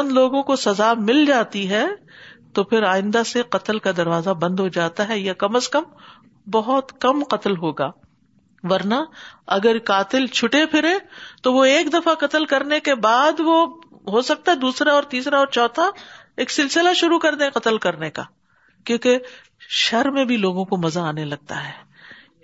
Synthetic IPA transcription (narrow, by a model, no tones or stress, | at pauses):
ɐnloːɡõkosɐzamɪld͡ʒaːt̪iɦɛːt̪opʰɪɾaːɪ̃nd̪aseqɐt̪əlkad̪ɐɾʋaːzabɐ̃nd̪ɦod͡ʒaːt̪aɦɛjakɐməskɐm | bɐɦʊt̪kɐmqɐt̪əlɦoːɡa̰ː | ʋɐɾnaɐɡəɾkaːt̪ɪlt͡ʃʰʊʈepʰɪɾẽt̪oʋoeːkd̪ɐfaqɐt̪əlkɐɾnekebaːd̪ʋo | ɦosɐk̚t̪aɦɛd̪uːsɾaɔːɾt̪iːsɾaɔːɾt͡ʃɔːt̪ʰa | eːksɪlsɪlaʃʊɾukɐɾd̪ẽɛ̃qɐt̪əlkɐɾneka̰ː | kjõːke | ʃɐɾmẽbʱiloːɡõkomɐzaaːnelɐɡ̚t̪a̰ɦɛː